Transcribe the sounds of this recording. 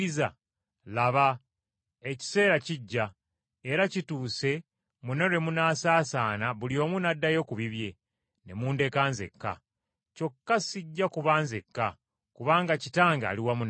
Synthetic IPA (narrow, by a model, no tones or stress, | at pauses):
iza | laβa | e̞ci̥se̞ːɾaciɟːa | eɾacituːse̞ | muno̞ɾe̞munaːsaːsaːnaβulio̞ːmunadːajo̞kuβiβje̞ | ne̞muːnde̞kaːnze̞̰kːa̰ | co̞kːasiɟːakuβaːnze̞kːa | kuβaːŋɡacitaːŋɡa̰ːliwamun